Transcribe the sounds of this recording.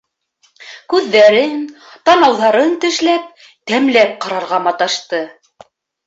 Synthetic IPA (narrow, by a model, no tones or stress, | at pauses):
kʉðːæɾɘn | t̪ɑnɑwðɑɾɤnt̪ɘ̆ʃlæp̚ | t̪æmlæp̚qɑɾɑɾʁɑmɑt̪ɑʃt̪ɤ